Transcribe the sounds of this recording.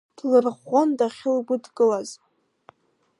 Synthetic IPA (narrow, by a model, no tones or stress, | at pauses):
d̥lɨrʁɔndaχʲɪlɡʷʊdɡʼɨlaz